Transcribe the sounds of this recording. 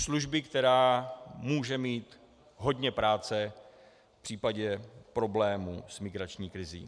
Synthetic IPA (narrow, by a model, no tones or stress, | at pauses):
sluʒbɪkt̪ɛɾaːmuːʒɛmiːt̪ | ɦo̞dɲɛpɾaːt͡sɛ | fpr̥iːpaɟɛpɾo̞blɛːmṵːsmɪɡɾat͡ʃɲiːkɾɪzḭː